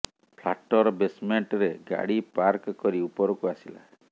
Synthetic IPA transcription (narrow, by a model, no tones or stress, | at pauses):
pʰla̰ʈɔɾɔbesmeɳʈɾeɡa̰ɽipaɾkɔkɔɾiupɔɾɔkuasila̰